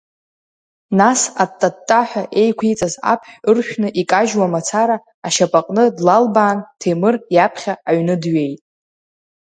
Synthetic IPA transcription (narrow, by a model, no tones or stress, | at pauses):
nasatʼːatʼːaħʷᶣaʔe̞jkʷʰijt͡sʼaza̰pʰħᶣɨrʃᶣnɨʔikʼaʒwamat͡sʰaɾaː | ʃapʼaqʼnɨdlalbaːntʰemɨrjapʰχʲaːɥnɨdɥe̞jtʼ